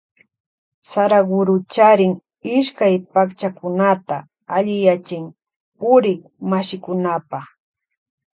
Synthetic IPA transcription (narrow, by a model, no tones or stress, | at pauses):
saɾaɡʊɾʊt͡ʃaɾɪŋ | ɪʃkajpakt͡ʃakʊnat̪a̰ | aʎɪjat͡ʃɪm | pʊɾɪŋ | maʃɪkʊnapaχ